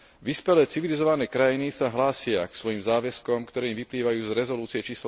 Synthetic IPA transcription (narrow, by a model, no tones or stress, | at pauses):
ʋispɛlɛːt͡siʋilizɔʋanɛːkɾajinisaɦlaːsɪaksʋɔjimzaːʋɛskɔmkt̪ɔɾɛːimʋipliːʋajuːzɾɛzɔluːt͡siɛt͡ʃiːsl